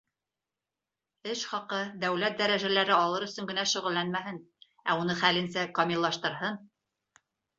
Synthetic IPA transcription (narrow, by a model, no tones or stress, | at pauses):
ɘʃχɑqɤd̪æwlæt̪̚d̪æɾæʒælæɾɘɑlˠɤɾɵ̆sɵŋɡɘ̆næʃɵ̆ʁɘ̆lːænmæɦɘn | æunɤχælɘ̆nsækɑmʲilˠːɑʃt̪ɤ̆ɾɦɤn